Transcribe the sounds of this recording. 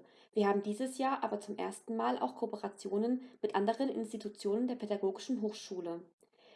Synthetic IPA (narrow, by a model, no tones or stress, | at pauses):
v̥iːɐhaːbm̩diːzəsjaːɐʔaːbɐt͡sʊmʔḛːɐstn̩maːlʔa̰ʊxkʰopəʁat͡sjoːnənmɪtʔandəʁənʔɪ̰nstitʰut͡sjoːnəndeːɐpʰɛdaɡoːɡɪʃn̩ɦoːxʃuːlə